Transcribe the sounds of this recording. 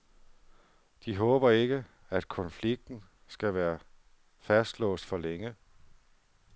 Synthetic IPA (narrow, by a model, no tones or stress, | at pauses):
d̥iɦɔ̽ːb̥ɐe̝ɡ̥ə | æd̥kʰɒ̽nfliɡ̥̚d̥n̩ | sɡ̥æʋæːɐ | fæsd̥lɔ̰̽ːsd̥fɒ̽leŋə